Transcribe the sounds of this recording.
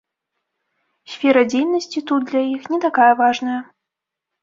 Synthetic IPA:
sʲfʲɛɾɐd͡zʲejnɐsʲt͡sʲit̪ud̪̚d̪lʲajixnʲɛt̪akajɐvaʐnɐjɐ

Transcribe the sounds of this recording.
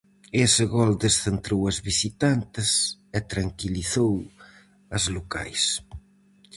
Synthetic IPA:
eseɣɔld̪esθent̪ɾowɐzβisit̪ant̪ɪset̪ɾaŋkiliθow | ɐzloka̰js

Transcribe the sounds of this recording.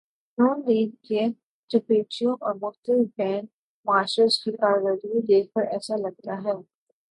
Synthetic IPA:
nɔːnɾiːdke | d͡ʒɐpeːt͡ʃijõʔɔːɾmʊxt̪əlɪfbɛ̃ːɳ | maːʃɾəskikaːɾʋaːɾiõd̪eːk̚ʰpɐɾɛːsalɐɡ̚t̪aɦɛː

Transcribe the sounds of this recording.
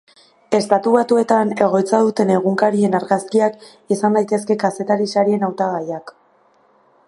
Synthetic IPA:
e̞st̪at̪uβat̪ue̞t̪ane̞ɣ̞o̞jt͡saðut̪e̞ne̞ɣuŋkaɾie̞naɾɣaskiak | isand̪ajt̪e̞ske̞kase̞t̪aɾisaɾie̞nawt̪aɣ̞ajak

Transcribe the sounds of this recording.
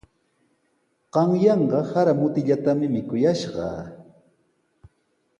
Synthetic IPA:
ɢ̥ɑŋjɑɴɢɑhaɾamʊt̪ɪʎat̪amɪmɪkʊjaʃɢɑ̰ː

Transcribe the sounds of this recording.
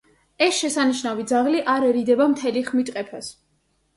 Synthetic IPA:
ɛsʃɛsaniʃnavid̪zaʁliʔaɾɛɾid̪ɛbamt̪ʰɛliχmit̪ʼqʼɛpʰas

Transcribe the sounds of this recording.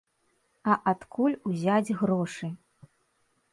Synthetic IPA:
ɐʔat̪kʰulʲuzʲad͡zʲɣɾɔʂɨ

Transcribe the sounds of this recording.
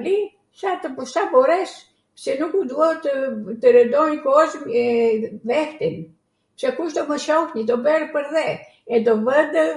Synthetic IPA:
li | sat̪əbɔʃabɔɾɛs | sɛnukud̪uat̪ət̪əɾəd̪ɔnkɔzmɛvɛht̪im | sɛkuʃt̪ɔməʃɔhɲid̪ɔbɛɾpəɾðɛ | ɛd̪ɔvəd̪

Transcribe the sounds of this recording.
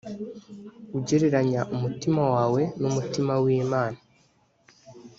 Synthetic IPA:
uɟeɾeɾaɲaʔumutimawaːwe̞numutimawiːmaːna

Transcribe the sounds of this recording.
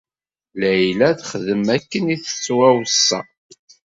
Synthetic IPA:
læjlæθχəðəmækːəniθə̥t͡sːwæwsːæ̰

